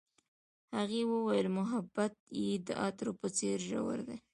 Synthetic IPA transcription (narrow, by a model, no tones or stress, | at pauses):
haɣewəwajəlmʊɦabat̪jed̪ə̰ʔɑt̪ɾopət͡seɾʒa̰wə̰ɾd̪e